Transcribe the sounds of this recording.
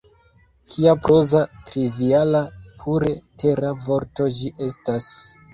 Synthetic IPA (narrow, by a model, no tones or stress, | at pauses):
kʰiapɾo̞zatɾivialapʰuɾe̞tʰe̞ɾavo̞ɾto̞d͡ʒiʔe̞stas